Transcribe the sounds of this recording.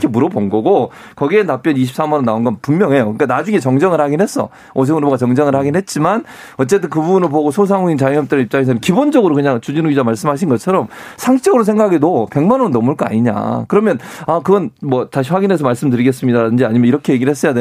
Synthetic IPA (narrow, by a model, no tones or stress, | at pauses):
kʰemuɾʌbonɡʌɡo | kʌɡienap͈jʌniɕʰips͈amʌnɯnaonɡʌnpumːjʌŋɦe̞jokɯk͈anad͡ʑuŋet͡ɕʌŋd͡ʑʌŋɯɭhaɡinɦe̞s͈ʌ̰ | os̬ʰeŋɯɭboɡat͡ɕʌŋd͡ʑʌŋɯɭhaɡinɦe̞t̚t͡ɕ͈iman | ʌtt͡ɕ͈e̞t͈ɯnkɯbuunɯɭpoɡosʰosʰaŋuint͡ɕajʌŋjʌmt͈eɾɯip̚t͡ɕ͈aŋes̬ʰʌmnkibond͡ʑʌɡɯɾokɯɲaŋt͡ɕud͡ʑinuɡid͡ʑamaɭs͈ɯmɦaɕʰinɡʌt͡ɕʰʌɾʌmsʰaŋɕʰit͡ɕ͈ʌɡɯɾosʰeŋɡakʰaɡedope̞ŋmanonnʌmuɭk͈ʌa̰ɲiɲa̰kɯɾʌmjʌnakɯɡʌnmwʌtaɕ̬ʰiɸwaɡinɦe̞s̬ʰʌmaɭs͈ɯmdɯɾiɡes͈ɯmɲidaɾadɯnd͡ʑiaɲimʌniɾʌkʰe̞jeɡiɾɭhes͈ʌjade